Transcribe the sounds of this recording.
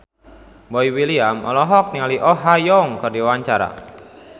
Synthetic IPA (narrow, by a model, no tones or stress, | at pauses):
bɔiwiliamʔɔ̰lɔɦɔk̚niŋaliʔɔɦajɔŋkərdiwaɲt͡ʃaɾa̰